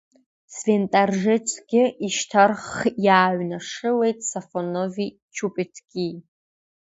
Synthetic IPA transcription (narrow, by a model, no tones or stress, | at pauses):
sventʼarʒɪt͡sʷʰʼɡʲɪʔiʃtʰarχjaːɥnaʂɨle̞jtʼsafonovi | t͡ʃʰupʼetʰɡ̥ʲi